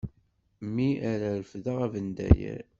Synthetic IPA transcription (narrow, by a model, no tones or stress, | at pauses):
mːiʔaɾaɾəfðəʁævənd̪æ̰jæ̰ɾ